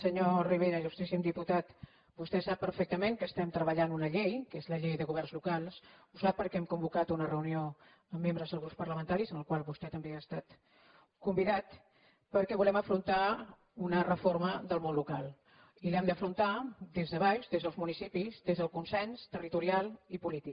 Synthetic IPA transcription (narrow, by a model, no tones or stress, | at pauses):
səɲoriβ̞eɾəʒust̪ɾisimd̪iput̪at̪ | bust̪ɛsapːəɾfɛk̚t̪əmẽŋkəst̪ɛmt̪ɾəβəʎanunəʎejkezləʎejðəɣuβɛrnzlukalˠsusapːəɾkɛɛmkumbukat̪unərəunio | əmːembɾəzðəlˠɣ̞ɾuppəɾləmənt̪aɾizənləkwalˠβust̪ɛt̪əmbeast̪at̪ | kumbiðat̪ | pəɾkɛβulɛməfɾunt̪a | unərəfoɾməðəlˠmonlukalˠ | ilɛmd̪əfɾunt̪ad̪ezðəβajzðezðəlˠzmunisipizd̪ezðəlˠkunsɛnst̪ərit̪uɾialˠipulit̪ik